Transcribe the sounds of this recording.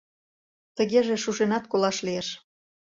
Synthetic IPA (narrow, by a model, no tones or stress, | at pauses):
t̪əɣeʒeʃuʃenɑt̪kolɑʃlieʃ